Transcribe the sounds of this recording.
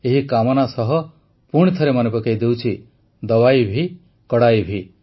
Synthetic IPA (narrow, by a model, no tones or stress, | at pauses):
eɦikamɔnasɔɦɔ | puɽ̃it̪ʰɔɾemanepɔkejd̪ewt͡ʃʰi | d̪ɔwajbʱi | kɔɽajbʱi